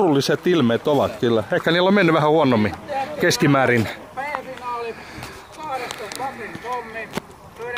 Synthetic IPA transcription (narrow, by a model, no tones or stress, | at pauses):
rulːiset̪ilmeːt̪oʋɑt̪kylːæehkːæniːlːomenːyʋæhæhuonːomːikeskimæːrin